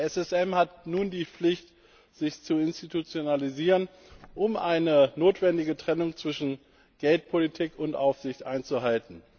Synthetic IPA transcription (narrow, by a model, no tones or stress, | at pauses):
ɛsɛsɛmhatnuːndiːp͡flɪçt | z̥ɪçt͡suɪnstitut͡sjonaliziːʁən | ʔʊmʔaɪnənoːtv̥ɛndɪɡətʁ̥ɛnʊŋt͡sv̥ɪʃn̩ | ɡ̥ɛlt̚pʰolitʰiːkʰʊntʔaʊfz̥ɪçtʔaɪnt͡suɦaltn̩